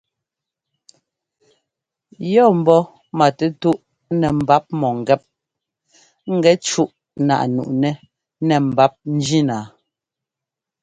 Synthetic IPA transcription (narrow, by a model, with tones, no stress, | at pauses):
jɔ˦˨m̩˨bɔ˦ | ma˨tɛ˦tu˦ʔ | nɛ˨m̩˨ba˦p̚mɔ˨ŋ˨ɡɛ˦p̚ | ŋ̩˦˨ɡɛ˨˦t͡ʃu˦ʔ | na̰˨ʔnṵ˨ʔnɛ˦ | nɛ˨m̩˨ba˦p̚n̩˦d͡ʒi˦naː˨